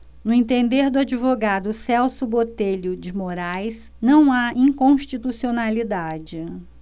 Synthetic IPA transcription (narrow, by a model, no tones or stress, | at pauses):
nʊẽt̪ẽnd̪eɾd̪ʊad͡ʒivoɡad̪ʊsɛwsʊbot̪eʎʊd͡ʒɪmoɾajs | nɐ̃w̃aĩŋkõʃt͡ʃit̪usionalid̪ad͡ʒɪ